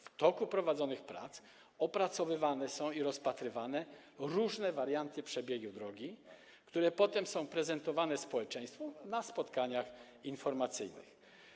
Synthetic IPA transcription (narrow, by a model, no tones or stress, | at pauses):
ft̪ɔkupɾɔvad̪zɔnɘxpɾa̰t̪s | ɔpɾat̪sɔvɘvanɛsɔ̃w̃iɾɔspat̪ɾɘvanɛ | ɾuʐnɛvaɾjant̪ɘpʂɛbʲjeɡud̪ɾɔɡʲi | kt̪uɾɛpɔt̪ɛmsɔ̃w̃pɾɛzɛnt̪ɔvanɛspɔwɛt͡ʂɛ̃j̃st̪fɔnaspɔt̪kaɲax | infɔɾmat̪sɘjnɘ̰x